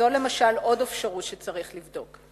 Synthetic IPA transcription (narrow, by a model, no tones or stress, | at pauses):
o̞le̞maʃalo̞defʃaʁut̪ʃet͡saʁiχlivdo̞k